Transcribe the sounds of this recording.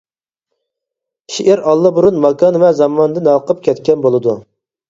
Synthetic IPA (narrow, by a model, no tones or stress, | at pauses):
ʃiʔɪɾɑlˠːɑbuɾunmɑkɑnvɛzɑmɑnd̪ɨnɑqəp̚kʲʰɛt̪kʲɛnbolˠɨd̪u